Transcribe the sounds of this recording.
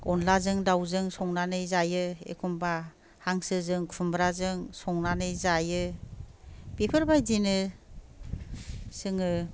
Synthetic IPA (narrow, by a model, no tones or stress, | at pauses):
ɔnlazɯŋdawzɯŋsɔŋnanɯjzajɯḛkʰumba | haŋsɯzɯŋkʰumbɾazɯŋsɔŋnanɯjzajɯ | pepʰɯɾbajdinɯ | sɯŋɯ